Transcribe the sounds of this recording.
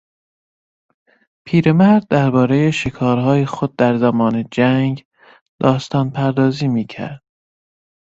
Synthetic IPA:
pʰiːɾe̞mæɾd̪̚ːæɾbɒːɾe̞je̞ʃekʰɒːɾɦɒːjexod̪̚ːæɾzæmɒːne̞d͡ʒæŋɡ | d̪ɒːst̪ɒːnpʰæɾd̪ɒːziːmiːcʰæ̰ɾd̪̥̚

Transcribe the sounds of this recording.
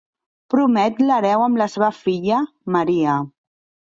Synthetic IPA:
pɾumɛt̪ləɾɛwəmləseβəfiʎə | məɾiə

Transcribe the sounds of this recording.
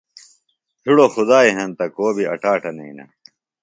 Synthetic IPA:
tʰiɽoxud̪aːiɦɐnt̪ɐkoːbʱiɐ̰ʈaːʈɐnɐinɐ̰

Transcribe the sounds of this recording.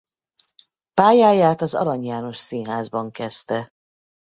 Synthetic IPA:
paːjaːjaːt̪ɒzɒ̰ɾɒɲjaːno̞ʃsinɦaːzbɒŋkɛst̪ɛ

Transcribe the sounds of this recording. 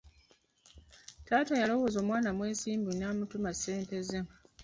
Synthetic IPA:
taːtajalo̞wo̞ːzoːmwaːnamwe̞ːsiːmbunaːmutumase̞ːnte̞ze

